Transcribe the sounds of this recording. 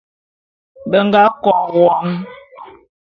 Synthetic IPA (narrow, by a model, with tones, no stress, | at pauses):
bə˦ŋ˦ɡa˦kɔ˨wɔ˨˦ŋ